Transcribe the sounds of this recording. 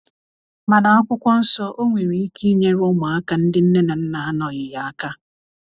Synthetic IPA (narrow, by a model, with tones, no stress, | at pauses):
ma˨na˨ɔ˦kʷʊ˦kʷɔ˦n̩˦sɔ˦ʔo˦ŋʷe˨ɾi˨i˦ki˦ɲe˦ɾɔ˦mʊ˨a˦ka˦n̩˦dɪ˦n̩˦ne˦na˨n̩˦na˨˦nɔ˨ɣɪ˨ja˦a˦ka˦